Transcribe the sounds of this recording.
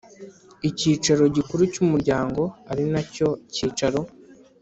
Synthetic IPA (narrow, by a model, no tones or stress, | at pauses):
iciːt͡ʃaɾo̞ɟikuɾucumuɾɟaːŋɡo̞aɾinaco̞ciːt͡ʃaɾo̞